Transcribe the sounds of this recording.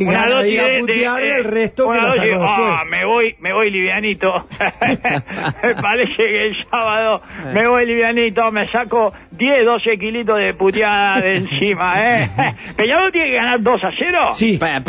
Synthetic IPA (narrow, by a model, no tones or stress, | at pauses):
unaaðosid̪earet̪ounaðosiameβojmeβojliβjanit̪o | mepaɾesekelsaβaðomeβojliβjanit̪omesako | ðjehðosek̬ilit̪̬oðeput̪jaðaðensimaepeɲaðot̪jenekeɣanaɾd̪osaseɾosip